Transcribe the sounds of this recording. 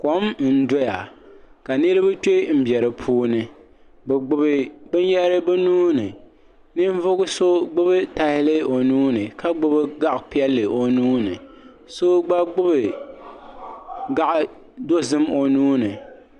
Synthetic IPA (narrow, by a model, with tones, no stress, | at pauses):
ko˨˦m̩˦n̩˦do˦ja˨ | ka˨nɨ˦ɾɨ˦bɨ˦t͡ʃo˦i˦˨m̩˦bjɛ˨ɾɨ˨pʰuː˦nɨ˨ | bɨ˨ɡ͡bʊ˨bɨ˨bɨ˦n˦jɛ˦ɾɨ˦bɨ˦nuː˦nɨ˨ | nɨ˦ɱ˦vʊ˦ɡʊ˦so˦ɡ͡bʊ˦bɨ˦ta˨hɪ˦lɨ˦o˨nuː˦nɨ˨ka˦ɡ͡bʊ˦bɨ˦ɡa˦ʔpi˦ɛ˦lːɨ˨o˨nuː˦nɨ̰˨ | so˦ɡ͡ba˦ɡ͡bʊ˦bɨ˨ | ɡa˦ʔ | do˦zɨ˦mo˨nuː˦nɨ˨